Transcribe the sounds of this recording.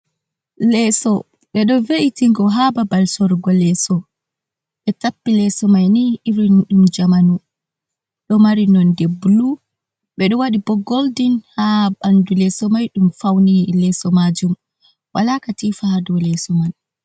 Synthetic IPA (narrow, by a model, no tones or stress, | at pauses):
lɛsɔ | ɓɛɗɔveʔitiŋɡɔɦababalsɔɾɡɔlɛsɔ | ɓɛtapːilɛsɔmajniʔiɾinɗumd͡ʒamanu | ɗɔmaɾinɔndɛbulu | ɓɛɗɔwaɗibɔɡoldinhaɓandulɛsɔmajɗumfawnilɛsɔmad͡ʒum | walakatifahadɔlɛsɔman